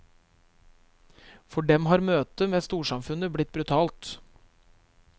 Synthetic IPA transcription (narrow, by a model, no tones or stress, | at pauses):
fɔɖɛmɦɑːɾmøːt̪əmeːst̪uːʂɑmfʉnəblɪt̪̚bɾʉt̪ʰɑːlt̪